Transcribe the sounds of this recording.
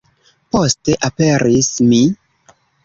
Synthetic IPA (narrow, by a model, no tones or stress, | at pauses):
po̞ste̞ʔape̞ɾismi